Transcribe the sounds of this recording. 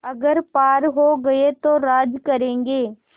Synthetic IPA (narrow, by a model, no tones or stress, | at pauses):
ɐɡəɾpaːɾɦoːɡɐet̪oɾaːd͡ʒkɐɾẽːŋɡeː